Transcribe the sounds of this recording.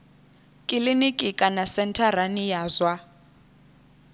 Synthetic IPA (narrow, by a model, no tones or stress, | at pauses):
kʼilinikʼikʼanasɛntʰaranijaːzwa